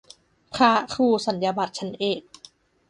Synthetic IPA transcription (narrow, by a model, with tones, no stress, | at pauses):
pʰɾa˦˥kʰuː˧˩sa˩˦nja˧ba˨˩t̪̚t͡ɕʰa˦˥nʔeː˨˩k̚